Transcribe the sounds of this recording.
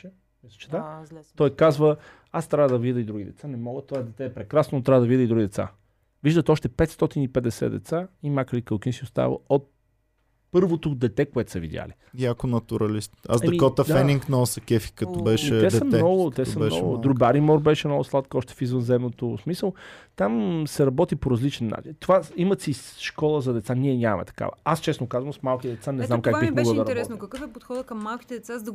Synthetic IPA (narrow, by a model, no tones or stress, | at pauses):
ɛ | ɛst͡ʃɛ̥t̪at̪ɔjkazvə | ast̪ɾavəd̪ɐvid̪əid̪ɾuɡʲid̪ɛ̰t̪sanɛmɔɡət̪ɔɛd̪ɛt̪ɛːpɾɛkɾasnonot̪ɾavəd̪vid̪əid̪ɾuɡid̪ɛt̪sa̰ | viʒd̪ət̪ɔʃt̪ɛpɛt̪st̪ɔt̪inipɛd̪ɛsɛ̰d̪ɛ̰t̪saimakəlikəlˠkinsiost̪a̰və̰ot̪̚ | pɤɾvot̪od̪ɛt̪ɛkoɛt̪səvḭd̪ʲja̰li | iakonɐt̪uɾɐlist̪a̰zɛɐmikɔt̪əfd̪aɛniŋknɐɔsɐkʲɛfi̥kɐt̪ɔbɛʃɛt̪ɛd̪ɛɐmɛnɔɡʊt̪ɛsɐmɛnɔ̰ɡʊd̪ɾubaɾimɔɾbɛʃɛmnɔɡʊslˠat̪kɔʃt̪ɛ̥fizvənzɛmnot̪osmisəlˠt̪amsɛɾɐbɔt̪ipoɾɐzlit͡ʃɛnːa̰t͡ʃint̪ovaimət̪sisʃkɔlˠəzɐd̪ɛt̪sanʲiɛnʲamɐ̰mɛ̰t̪ɐ̥ka̰və̰ast͡ʃɛsnokazvəmsmalˠkʲit̪ɛd̪ɛt̪sanɛznmkakbimoɡəlˠd̪ɐɾɐɾbɛɔt̪nokɐkɤfɛpot̪xɔd̪əkɐmːalˠkʲi̥t̪ɛd̪ɛt̪sazd̪ɐ